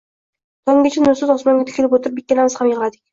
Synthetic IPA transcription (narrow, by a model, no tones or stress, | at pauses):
t̪ʰɒŋɡʲet͡ʃʰanʊsʊzɒsmɒŋɡʲat̪ʰɪ̥kʰʲːɪlɪpwot̪ɪɾpbɪk̪̚ʲːanamɪz̥hamjəʁlˠad̪ɪkʲ